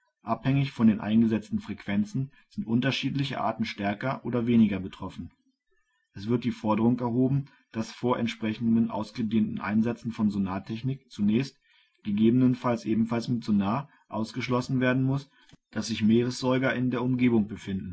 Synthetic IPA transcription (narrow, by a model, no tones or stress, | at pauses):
ʔaphɛŋɪçfɔndeːnʔa̰ɪnɡəzɛt͡stn̩fʁ̥ɛkv̥ɛnt͡sn̩ | z̥ɪntʔʊntɐʃiːtlɪçə̰ʔa̰ːtn̩ʃtɛɐkɐʔoːdɐveːnɪɡɐbətʁ̥ɔfn̩ | ʔɛsv̥ɪɐt̚d̥iːfɔɐdəʁ̞ʊŋɛɐɦoːbm̩ | d̥asfoːɐʔɛ̰ntʃpʁ̥ɛçn̩dənʔa̰ʊsɡ̥ədeːntn̩ʔa̰ɪnzɛt͡sn̩fɔnzonaːtʰɛçnɪkt͡sunɛːçst | ɡ̥əɡeːbənənfalsʔeːbm̩falsmɪtz̥onaː | ʔaʊsɡ̥əʃlɔsn̩veːɐdn̩mʊs | d̥asz̥ɪçmeːʁ̞əsz̥ɔɪɡɐʔɪndeːɐʊmɡeːbʊŋb̥əfɪndn̩